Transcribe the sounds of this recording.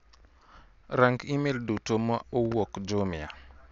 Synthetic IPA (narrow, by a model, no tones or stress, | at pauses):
ɾaŋɡimeldutomaowokd͡ʒomɪa̰